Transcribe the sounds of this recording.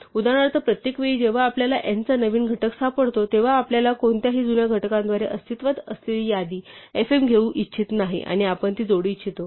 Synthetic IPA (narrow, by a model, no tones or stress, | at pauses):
ud̪aɽ̃aɾt̪əɾpɾət̪jekʋeɭiːd͡ʑeʋ̤aːpljalaʔent͡sanəʋiːnɡʱəʈəksapəɽt̪ot̪eʋ̤aːpljalakoɳt̪jaɦiːd͡z̪unjaɡʱəʈkãnd̪ʋaɾeʔəst̪ʰit̪ʋat̪əslelijad̪iːefemɡʱeũːʔitːɕʰit̪naɦḭʔa̰ɽ̃iapəɳt̪iːd͡zoɽiːt͡ɕʰit̪o